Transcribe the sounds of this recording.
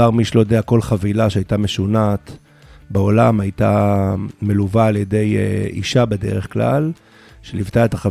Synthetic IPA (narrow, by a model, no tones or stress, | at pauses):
aʁmiʃelojod̪eako̞lχavilaʃeajt̪ame̞ʃunat̪ | beo̞lamajt̪a | meluvaːljed̪e̞jḭʃabe̞dḛʁeχkla̰l | ʃelivt̪eaet̪aχa